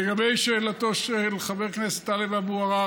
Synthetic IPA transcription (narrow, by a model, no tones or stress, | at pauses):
eɡabejʃeːlat̪o̞ʃeleχabeʁknese̥t̪ːalevabuaʁa